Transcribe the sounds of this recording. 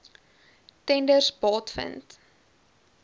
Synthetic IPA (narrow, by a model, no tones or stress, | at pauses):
tɛndərsbɑːtfə̰nt